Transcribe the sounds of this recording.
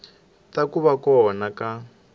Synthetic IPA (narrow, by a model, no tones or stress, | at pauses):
takuβakɔɦɔnaka